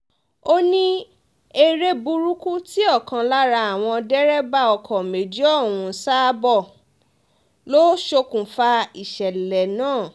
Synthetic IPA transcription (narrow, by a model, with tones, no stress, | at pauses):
o˦nĩ˦ | e˧ɾe˦bu˧ɾu˦ku˦ti˦ɔ˦˨kã˨˧la˦ɾa˧a˨w̃ɔ̃˧dɛ˦ɾɛ˦ba˦˨ɔ˧˨kʰɔ˨me˨d͡ʒi˦ɔ˦˨wũ˧˨sa˦bɔ˦˨ | lo˦ʃo˧kũ˨fa˧i˦˨ʃɛ˨lɛ˨nãː˦˨